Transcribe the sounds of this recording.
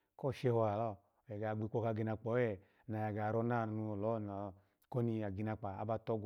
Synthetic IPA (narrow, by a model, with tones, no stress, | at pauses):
kɔ˦˨ʃe˧hɔ˧la˨lɔ˦˨ | jɛ˨ɡa˨ɡ͡bi˧˦k͡po˧ka˧ɡi˧na˧k͡pɔ˨˦ɛ˨ | na˨ja˨ɡa˨ɾɔ˧na˦˨nu˧˨lɔ˨˦˨na˨ | ko˦ni˧a˨ɡi˧na˧k͡pa˨a̰˦ba˧˨tɔ˦ɡʷ